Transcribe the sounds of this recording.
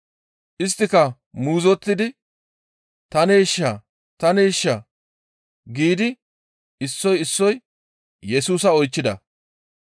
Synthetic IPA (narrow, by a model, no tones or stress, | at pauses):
ʔɪs̬t̪ːɪkɐ | muːzɔt̪ːɪd̪ɪ | t̪ɐneːʃːɐ | t̪ɐneːʃːɐ | ɡiːd̪ɪ | ɪsːɔjɪsːɔj | jɛsuːs̬ɐɔjt͡ʃːɪd̪ɐ